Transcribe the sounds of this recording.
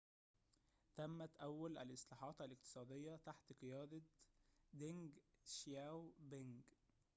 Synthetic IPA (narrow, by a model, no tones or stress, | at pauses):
t̪æmːæt̪ʔæwːælʔæ̰lʔɪsˤlɑːħɑːt̪ælɪq̚t̪ɨ̥sˤɑːd̪ejːæt̪aħt̪qɨjɑːd̪ɑ | d̪ɪŋɡʃjæwbeŋɡ